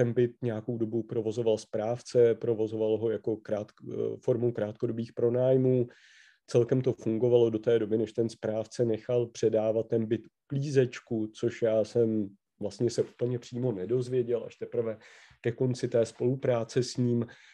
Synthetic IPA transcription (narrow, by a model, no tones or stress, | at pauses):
t̪ɛnbɪt̪̚ɲɛjako̞wdo̞bupɾo̞vo̞zo̞valspɾaːft͡sɛpɾo̞vo̞zo̞valɦo̞jako̞kɾaːt̪fo̞ɾmowkɾaːt̪̚ko̞do̞biːxpɾo̞naːjmuː | t͡sɛlkɛmt̪o̞fuŋɡo̞valo̞do̞t̪ɛːdo̞bɪnɛʃt̪ɛnspɾaːft͡sɛnɛxalpr̝̥ɛdaːvat̪̚ːɛnbɪt̪ʔukliːzɛt͡ʃkut͡so̞ʃjaːsɛm | vlast̪ɲɛsɛʔupl̩ɲɛpr̥iːmo̞nɛdo̞zvjɛɟɛlʔa̰ʃt̪ɛpr̩vɛ | kɛko̞nt͡sɪt̪ɛːspo̞lupɾaːt͡sɛsɲiːm